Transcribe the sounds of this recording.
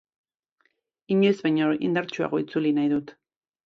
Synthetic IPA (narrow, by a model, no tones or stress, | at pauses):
iɲuzβaɲoḭnd̪aɾt͡ʃua̰ɣ̞o̞it͡sulinajðut̪